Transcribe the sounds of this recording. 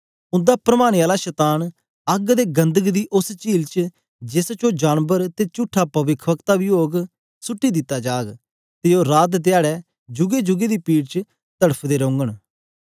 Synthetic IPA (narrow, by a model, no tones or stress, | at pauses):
ʊ̃nd̪aːpɾəmaːñeaːlaʃɛːt̪aːn | əɡd̪eːɡə̃nd̪əɡd̪iːʔʊst͡ʃiːlt͡ʃ | d͡ʒɪst͡ʃoːd͡ʒaːnbəɾt̪eːt͡ʃʊʈʰːapɐʋɪkʰʋəkt̪aʋɪoːɡ | sʊʈːid̪ɪt̪ːad͡ʒaːɡ | t̪eoːɾaːt̪̬d̪ɪaːɽɛː | d͡ʒʊɡed͡ʒʊɡed̪iːpiːʈt͡ʃ | t̪əɽəpʰd̪eːɾõːŋɡəɽ